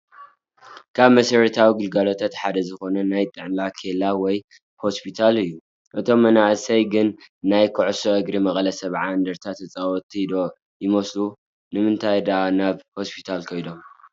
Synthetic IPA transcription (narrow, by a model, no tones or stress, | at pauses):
kʰaβmɐsɐɾɐt̪ʰawiɡɨlɡalo̞t̪ʰat̪ħad̪ɐzɨxo̞nɐnajt̪ʼɨʕnlakʰelawɔj | ho̞spʰit̪ʰalɨjːu | ʔɨt̪ʰo̞mːɐnaʔsɐjɡɨnːajkʰɨʕsoʔɐɡɾimɐχʼlɐsɐβʕaɨnd̪ɐɾt̪ʰat̪ʰːɐt͡sʼawɔt̪ʼːid̪o | jɪmɐslu | nɨmɨnt̪ʰajd̪ɐʔanaβho̞spʰi̥t̪ʰalkʰɐjd̪om